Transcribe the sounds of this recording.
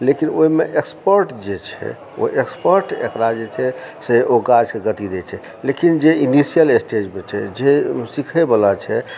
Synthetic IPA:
lekinoimeʔekspəɾʈd͡ʒet͡ʃʰɛ̰ | o̰ʔekspəɾʈḛkɾad͡ʒet͡ʃʰɛseʔoɡad͡ʒkeɡət̪id̪et͡ʃʰɛ | lekind͡ʒeinisijəlesʈed͡ʒmet͡ʃʰɛ̰d͡ʒesikʰɛbəlat͡ʃʰɛ

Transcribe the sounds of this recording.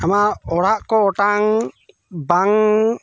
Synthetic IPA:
amaɔɾaʔkɔɔʈaŋ | baŋ

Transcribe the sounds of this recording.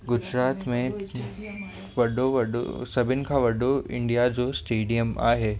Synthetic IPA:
ɡʊd͡ʑɾaːt̪mẽ | ʋɐɖoʋɐɖo̰sɐbʱɪnɪ̆kʰãːʋɐɖoɪ̰̃ɳɖijad͡ʑoːsʈeːɖijəma̰ːɦeː

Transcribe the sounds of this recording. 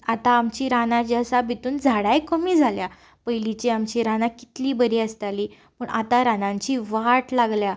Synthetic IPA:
at̪aːmt͡ɕiːɾanãt͡ɕiəsabit̪uːnd͡zʱaɽajkəmiːd͡zʱalja | pəjlit͡ɕeamt͡ɕiɾanãki̥t̪liːbəɾiːəst̪aliː | pəɳʔa̰t̪aɾanãɲt͡ɕiːʋaʈlaɡlja

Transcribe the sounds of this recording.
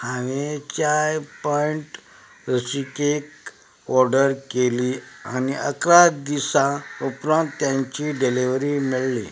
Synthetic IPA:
haʋet͡ɕajpɔiɳʈ | ɾəsikek | ɔɾɖəɾkelia̰niʔəkɾad̪isãupɾãnt̪ːjãɲt͡ɕiɖeliʋɾimiɭlḭ

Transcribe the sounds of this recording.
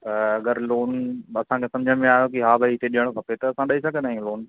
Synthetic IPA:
ɐɡəɾloːnɐsãkʰeːsɐ̃md͡ʑʱəɽ̃mẽaːjokiɦaːbʱəiɪt̪eɗijəɽ̃okʰɐpet̪ɐɐsãɗɐisɐɡʱənaːɦĩloːn

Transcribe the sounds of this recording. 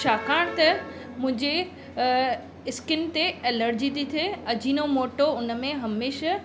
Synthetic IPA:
ʃʰaːkʰaːɽ̃t̪ɐ | mʊ̃ɦɪ̃ɲd͡ʑe | ɪskɪnt̪eeːləɾd͡ʑit̪it̪ʰeɐd͡ʑʱinomoːʈoʊnə̆mẽɦɐmeːʃa

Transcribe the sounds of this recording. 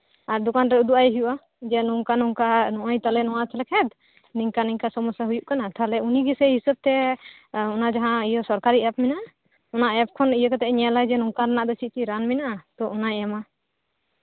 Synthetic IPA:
aɾd̪ɔkanɾɛud̪uʔajɦujuʔa | d͡ʒɛnuŋkanuŋkanɔʔɔjt̪alɛnɔwat̪ʰɛlɛkʰɛd̪ | niŋkaniŋkasɔmɔsjaɦujuʔkanat̪ʰalɛuniɡɛsɛɦisəb̚t̪ɛ | ɔnad͡ʒaɦãijɔsɔɾkaɾiʔɛp̚minaʔa | ɔnaʔɛp̚kʰɔnijəkat̪ɛʔɲɛlajd͡ʒɛnuŋkaɾanaʔd̪ɔt͡ʃʰit͡ʃiɾanminaʔat̪ɔɔnajɛma

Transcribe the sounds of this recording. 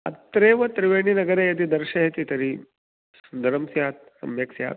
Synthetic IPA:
ɐ̰t̪ɾeːʋɐt̪ɾɪʋeːñinɐɡəɾejɐd̪id̪ɐɾʃɐɦet̪it̪ɐɾi | sud̪ɐɾɐmsjaːt̪̚ | sɐ̰mjɐksja̰ːt̪

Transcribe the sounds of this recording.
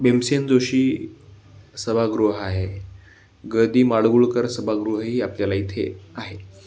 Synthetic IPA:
bemsend͡zoɕiː | səbʱaɡɾuɦəaɦe | ɡəd̪iːmaɭɡuɭkəɾsəbʱaɡɾuɦəɦiːapljalait̪ʰḛaɦe

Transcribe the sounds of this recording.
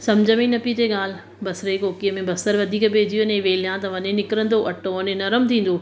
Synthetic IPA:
sɐmd͡ʑʱəmĩnɐpit̪eɠaːl | bɐsɾekoːkijəmẽbɐsəɾʋɐd̪ʱiːkbʱeːd͡ʑijənẽʋeːl̤ijãt̪ɐʋɐnẽnɪkɾə̃nd̪oʔɐʈõʋɐnẽnɐɾəmt̪ʰĩːn̆d̪o

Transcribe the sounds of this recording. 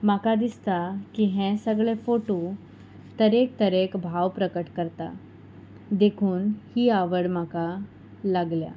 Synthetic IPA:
makad̪ist̪akiɦɛ̃səɡɭefoʈo | t̪əɾekt̪əɾekbʱawpɾəkəʈkəɾt̪a̰ | d̪ekʰuːnhiːaʋəɽmaka | laɡlja̰

